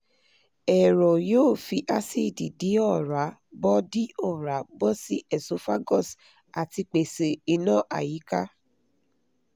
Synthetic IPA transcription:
ɛ˨ɾɔ˨joː˦˨fi˧ʔa˧si˦˨di˨di˨˦ɔ˦˨ɾa˨˦bɔ˦di˦ɔ˦˨ɾa˨˦bɔ˦si˦ɛ˦˨so˨˦fa˦ɡɔ˦˨s | a˨ti˧k͡pe˨se˨i˧nã˦˨ʔa̰˨ji˨˦ka˦

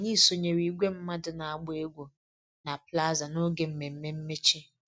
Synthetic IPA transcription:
ɲi˦˨so˨ɲe˨ɾi˨ɡʷe˦m̩˦ma˦dʊ˨na˨a˨ɡ͡bʊ˦e˦ɡʷu˨ | na˨pla˦za˨no˦ɡe˨m̩˦me˨m̩˦me˦m̩˦me˦t͡ʃi˦

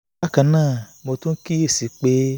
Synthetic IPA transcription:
a˦kã˧nãː˦˨mo˧tũ˦ki˦e˦˨si˨˦k͡pe˦

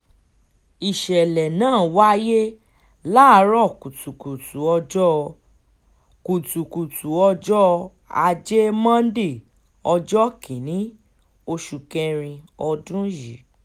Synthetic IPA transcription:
i˨ʃɛ˨lɛ˨nãː˦˨wa˦je˦ | la˦˨˧ɾɔ˦˨ku˨tu˨ku˨tu˨˦ɔ˧d͡ʒɔ˦ | ku˨tu˨ku˨tu˨˦ɔ˧d͡ʒɔ˦ | a̰˧d͡ʒe˦mã˦de˦˨ | ɔ˧d͡ʒɔ˦kʰi˨nĩ˦ | o˧ʃu˨kɛ˧ɾ̃ĩ˧ɔ˧dũ˦ji˨˦

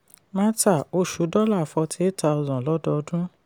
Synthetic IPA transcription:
mã˦ta˦˨o˧˦ʃu˨˦dɔ˦la˦˨fɔ˧ti˦e˦ta˧ɔ˧zɔ̃˨lɔ˨˦dɔ˧dũ˦

